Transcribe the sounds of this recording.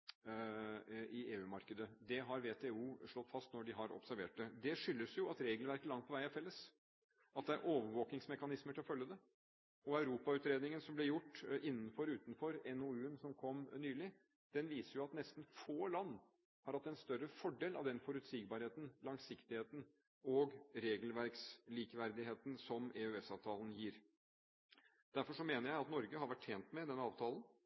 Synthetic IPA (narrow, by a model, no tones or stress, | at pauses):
ɪeːʉːmɑɾkəd̪əd̪ɛɦɑɾʋeːt̪ʰeuːʂɭɔt̪ːfɑst̪nɔɖɪɦɑɾɔ̰psæɾʋḛːʈ̚d̪ɛd̪ɛʂʏlːəsjʊɑt̪ɾeːɡlʋæɾkəlɑŋt̪̚pʰɔʋæɪɑfɛlːəs | ɑt̪̚d̪ɛæɾʔoːʋəɾʋoːknɪŋsmɛkɑnɪsməʈ̪ʰɪlɔfœljəd̪ɛ | ɔɑʉɾuːpɑʉːt̪ɾeːd̪nɪŋənsɔmblɛjʊʈːʔɪnːn̩fɔɾʉːt̪n̩fɔɾɛnoʉːənsɔmkʰɔmːnyːlɪ | d̪̥ɛnʋiːsəɾjʊɑt̪nɛst̪n̩foːlɑnː | hɑːɾɑt̪ɛnst̪œɾəfɔɖeːlʔɑ̰ʋd̪ɛnfɔɾʉt̪siːɡbɑːɾheːt̪n̩lɑŋsɪkt̪ɪheːt̪n̩ | ɔɡɾeːɡəlʋæɾksliːkʋæɾd̪ɪɦeːt̪n̩sɔmɛøɛsɑːʋt̪ʰɑːlənjiːɾ | d̪̥æɾfɔʂɔmeːnəɾjæɪɑt̪nɔɾɡəhɑɾʋæʈʰːeːnt̪mɛd̪ɛnːəɑːʋt̪ʰɑːlən